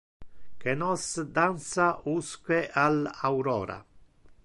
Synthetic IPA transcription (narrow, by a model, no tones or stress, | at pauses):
kenɔsd̪ansauskweʔalawɾɔ̰ːɾa̰